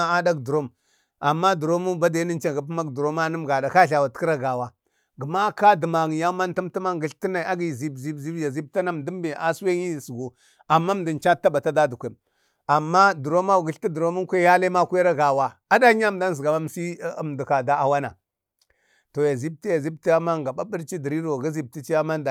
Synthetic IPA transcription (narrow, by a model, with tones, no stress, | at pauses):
a˦da˦kdu˨ɾo˦m | a˨mːa˦du˨ɾo˦mu˦ba˦da˨˦ni˦nt͡ʃa˨ɡa˨˦p̬ma˦ɡdu˨ɾo˦ma˦nə˦m˨ɡa˨da˨ka˦ɬa˨wa˨tkɾa˦ɡa˨wa˦ | ɡə˨ma˦ka˦də˨ma˨ŋi˨ja˦ma˦n˦tu˦mti˦ma˦ŋɡi˦ɬti˦na˨˦a˦ɡi˦˨zi˦bzi˦bzi˦bja˨zi˦b̚ta˦na˦m˨du˦mbi˨a˨se˦i˦˨sɡu˨ | a˨mːa˦m˨di˨n˨t͡ʃa˦tːa˦ba˨ta˦da˦du˨kʷe˨m | a˨mːa˦du˨ɾo˦ma˦˨ɡi˦ɬti˦du˨ɾo˦mu˦ŋ˦kʷe˦ja˦le˦ma˦kʷe˦ɾa˦ɡa˨wa˨a˦da˦ɲa˦˨m˨da˦n˨zɡa˨wa˦m˨si˦˨m˨du˨ka˨da˦a˨wa˦na˨ | to˨ja˨zi˦b̚ti˦ja˨zi˦b̚ti˦ja˦ma˦ŋɡa˨ɓa˦bə˦ɾt͡ʃi˦di˨ɾi˦ɾo˨ɡa˦zi˦˨b̚ti˦t͡ʃi˦ja˦ma˦nda˨